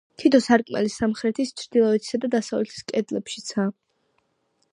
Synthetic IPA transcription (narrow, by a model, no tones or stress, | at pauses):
t̪ʰit̪ʰɔsaɾkʼmɛ̰lisamχɾɛt̪ʰist͡ʃʰɾd̪ilˠɔɛt̪ʰi̥sad̪ad̪asavlɛt̪ʰi̥skʼɛd̪lɛpʃi̥t̪sʰa